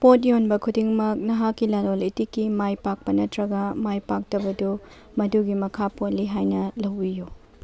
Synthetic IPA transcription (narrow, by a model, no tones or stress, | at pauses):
potjonbɐkʰudiŋmɐk̚nɐɦakːilalolitikːimajpak̚pɐnɐtɾɐɡɐmajpak̚tɐbɐdu | mɐduɡimɐkʰapoliɦajnɐlɐwbiju